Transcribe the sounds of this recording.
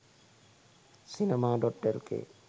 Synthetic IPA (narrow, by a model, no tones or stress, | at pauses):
sinemaɖɔʈːelkḛ